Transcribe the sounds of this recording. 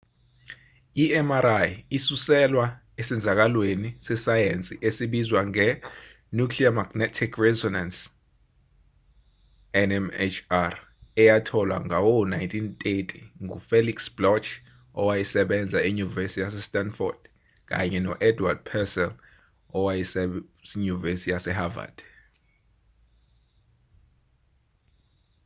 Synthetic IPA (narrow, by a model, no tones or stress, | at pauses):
iɛmaɾajisusɛlwa | esɛnd͡zʱak̬alwenisɛsajent͡sʼiʔesiɓizwaŋɛ | nukʰliamaɡ̥nɛtʰikʰrɛzɔnans | ɛnɛmḛt͡ʃʰar | ɛjatʰɔlwa̰ŋawɔnajntʰʼintʼetʼʰiŋufeliksblɔt͡ʃʰ | ɔwajisɛɓɛnd͡zʱaiɲuvesitjasɛstʼanfɔ̰rd̥ | k̬ʼa̰ɲɛnɔʔɛdwad̥̚pʰɛsɛl | ɔwajissiɲuvesijasɛɦava̰d̥